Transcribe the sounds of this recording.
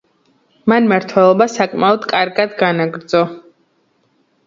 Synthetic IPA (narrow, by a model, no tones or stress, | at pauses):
manmaɾt̪ʰwɛlˠɔbasakʼmaɔd̪kʼaɾɡad̪ɡanaɡɾd̪zɔ